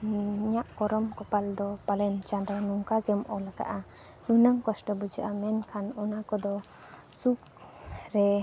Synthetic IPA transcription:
ɲaʔkɔɾɔmkɔpald̪ɔpalɛnt͡ʃad̪ɔnɔŋkaɡɛmɔlaɡa̰ʔa | nunəŋkɔsʈɔbud͡ʒaʔamɛnkʰanɔnakɔd̪ɔ | suk̚ | ɾɛ

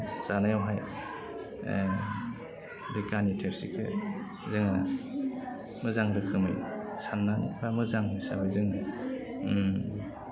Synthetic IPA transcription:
zanajawɦaj | bekanitʰeɾsikʰɯ̰ | zɯŋa | mɯzaŋɾɯkʰɯmɯ̰jsanːanḭbamɯzaŋmɯsa̰bɯjzɯŋa

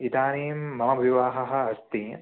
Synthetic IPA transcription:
it̪aːniːmːɐmɐʋiʋaːɦɐɦɐ̆ɐst̪iː

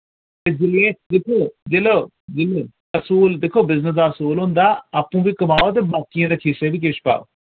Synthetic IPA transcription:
t̪eːd͡ʒɪlẽːd̪eːkʰoːd͡ʒeloː | d͡ʒɪleː | əsuːld̪eːkʰːoːbɪznəs̬d̪aːəsuːlɦʊ̃nd̪aːaːpũːʋiːkəmaːoːt̪̬eːbaːkijãːd̪eːkʰiːseːʋiːk̬eːʃpa̰ːo̰ː

